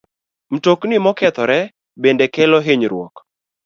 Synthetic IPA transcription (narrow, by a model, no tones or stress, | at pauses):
m̩toknɪmɔkɛt̪ɔɾɛ | bendekɛlɔɦeɲɾwɔ̰k